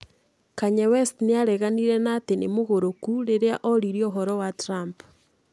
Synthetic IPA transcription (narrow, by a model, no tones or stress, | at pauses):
kaɲɛwɛstneaɾɛɣaniɾɛnatenḛmoɣoɾokuɾeɾeaʔoɾiɾioɦɔɾɔwatɾamp